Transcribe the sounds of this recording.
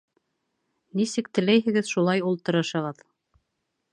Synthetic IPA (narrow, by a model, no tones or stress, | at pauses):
nisɘk̚t̪ɘ̆læjɦɘ̆ɡɘðʃulˠɑjulˠt̪ɤ̆ɾɤ̆ʃɤ̆ʁɤð